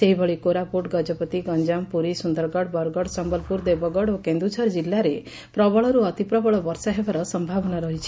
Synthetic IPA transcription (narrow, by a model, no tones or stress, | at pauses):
seɦibɔɭikoɾapoʈɡɔd͡ʒɔpɔt̪iɡɔnd͡ʒampuɾisund̪ɔɾɡɔɽbɔɾɡɔɽsɔmbɔlpuɾd̪ebɔɡɔɽokend̪ut͡ʃʰɔɾd͡ʒilːaɾe | pɾɔbɔɭɔɾuɔt̪ipɾɔbɔɭɔbɔɾsɔɦebaɾɔsɔmbʱabɔnaɾɔɦit͡ʃʰi̥